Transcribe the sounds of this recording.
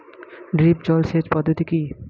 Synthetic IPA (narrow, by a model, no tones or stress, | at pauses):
ɖɾip̚d͡ʑɔlʃed͡ʑpɔd̪ʱːot̪iki